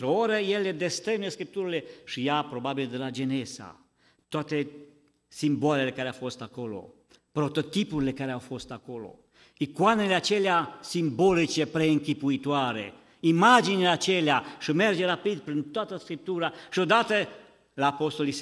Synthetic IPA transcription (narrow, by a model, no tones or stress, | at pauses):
ɾeoɾejeled̪est̪ɾeneskɾip̚t̪uɾleʃijapɾobabild̪əlad͡ʒenesa̰ | t̪wat̪e | simbalelekaɾeafost̪akolo̰ | pɾot̪ot̪ipuɾlekaɾeawfost̪akolo̰ | ikwaneleat͡ʃeljasimbɔlit͡ʃepɾeːŋkipuit̪waːɾḛ | imad͡ʒinelat͡ʃeljaʃəmɛrd͡ʒeɾapid̪pɾint̪uwat̪əskɾip̚t̪uɾaʃiod̪at̪e | lapost̪olis